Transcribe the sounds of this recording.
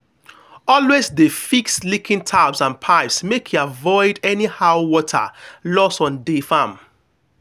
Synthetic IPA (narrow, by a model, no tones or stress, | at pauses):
ɔlwezdefikslikʰĩntʰabsãnpʰaɪpsmekʰjuavɔɪdɛnihaʊwɔtʰa̰lɔsɔ̃ndefãm